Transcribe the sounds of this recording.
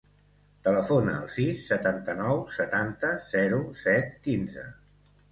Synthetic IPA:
t̪ələfonəːlˠsisːət̪ant̪ənɔwsət̪ant̪əz̥ɛɾusɛt̪̚kinzə̰

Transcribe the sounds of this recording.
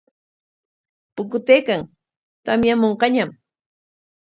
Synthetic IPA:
pʊkʊt̪eːkaŋ | t̪amjamoɴqɑɲam

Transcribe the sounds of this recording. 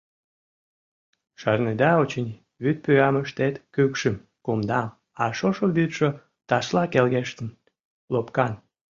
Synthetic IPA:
ʃɑrned̪ɑot͡ɕənʲ | βyt̪̚pyɑməʃt̪et̪kykʃəm | kumd̪ɑm | ɑʃoʃoβyt̪ʃo | t̪ɑʃlɑkelɣeʃt̪ən | lopkɑn

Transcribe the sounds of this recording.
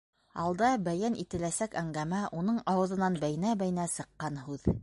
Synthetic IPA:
ɑlˠd̪ɑbæjænʔit̪ɘ̆læsækæŋɡæmæʔunɤɴɑwɤ̆ðɤ̆nɑnbæjɘ̆næbæj̆næsɤ̆qːɑnɦʉð

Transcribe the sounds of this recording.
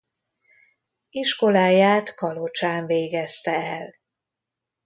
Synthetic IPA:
iʃko̞laːjaːt̪kɒlot͡ʃaːɱveːɡɛst̪ɛɛl

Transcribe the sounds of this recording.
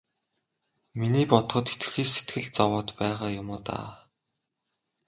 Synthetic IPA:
miniːpɔt̪χɞ̆t̪xet̪ɘ̥̆xiːsset̪ɡɘ̆ɮ̚t͡sawɔːt̪pæːʁaːjʊmʊːt̪a̰ː

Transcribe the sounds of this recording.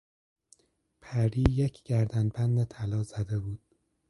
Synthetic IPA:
pʰæɾiːjecʰɟ̥æɾd̪ænbænd̪et̪ʰælɒːzæd̪e̞buːd̪̥

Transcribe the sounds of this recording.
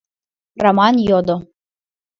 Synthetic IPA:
ramanjod̪o

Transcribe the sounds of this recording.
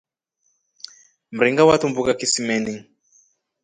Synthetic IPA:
m̩ɾiŋɡawatumbukakisimɛniŋ

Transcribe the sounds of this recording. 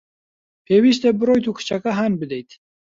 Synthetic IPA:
pʰeːwiːʃt̪ebɨɾojt̪ukʰɨ̥t͡ʃʰakaɦaːnbɨd̪ɛjt̪ʰ

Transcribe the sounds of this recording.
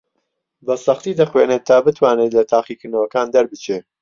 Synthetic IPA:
bɐsɐχt̪iːd̪ɐχweːneːt̪ʰːaːbɨt̪ʰwaːneːt̪lɐt̪ʰaːχiːkɨɾnɐwɐkaːnd̪ɐɾbɨt͡ʃʰeː

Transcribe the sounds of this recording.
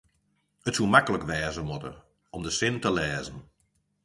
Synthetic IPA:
ətsumakələkʋɛːzəmɔtə̰ | ɔmdəsɪntəlɛːzən̩

